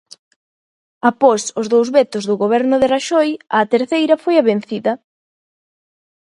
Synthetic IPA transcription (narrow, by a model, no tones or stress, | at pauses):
apɔsʊzðowzβɛt̪ʊzðʊɣoβɛɾnʊðeraʃɔjɐt̪eɾθejɾɐfojaβen̟θiðɐ